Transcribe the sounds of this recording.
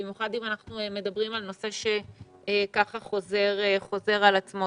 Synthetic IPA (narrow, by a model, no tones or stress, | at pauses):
imjuχad̪imanaχnueme̞d̪abʁimalno̞se̞ʃe̞ | kaχaχo̞zeʁeχo̞ze̞ʁalat͡smo